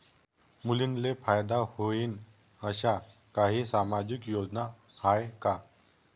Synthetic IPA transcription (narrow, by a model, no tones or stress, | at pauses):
mulinlefajd̪ahoiːn | əɕakaɦiːsamad͡ʑikjodnahajka